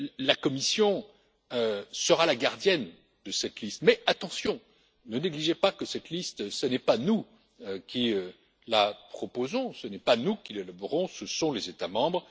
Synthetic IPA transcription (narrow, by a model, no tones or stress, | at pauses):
lakɔmisjɔ̃ | øsəʁalaɡaʁd̪jɛn | d̪əsɛt̪list̪mɛʔat̪ɑ̃sjɔ̃ | nəneɡliʒepakəsɛt̪list̪sənɛpanu | økʲiø | lapχɔpozɔ̃sənɛpanukʲilelaboʁɔ̃səsɔ̃lezet̪amɑ̃bʁ